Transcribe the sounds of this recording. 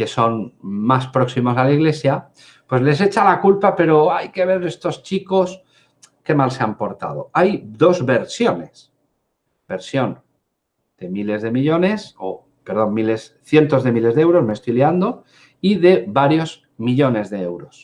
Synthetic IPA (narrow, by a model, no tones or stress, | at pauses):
ke̞so̞nmaspɾo̞ksimo̞s̬alaiɣle̞sja | pwe̞zle̞s̬e̞t͡ʃalakulpape̞ɾo̞ajke̞β̞e̞ɾe̞st̪ost͡ʃiko̞s | ke̞malse̞ampo̞ɾt̪a̰ðo̞̰ajd̪o̞zβe̞ɾsjo̞ne̞s | b̥e̞ɾsjo̞n | d̪̥e̞mile̞zðe̞miʎo̞ne̞so | pe̞ɾð̞o̞mmile̞sθje̞nt̪o̞zðe̞mile̞zðeewɾo̞sme̞st̪ojliand̪o̞ | iðe̞βaɾjo̞z | miʎo̞ne̞zðe̞ewɾo̞s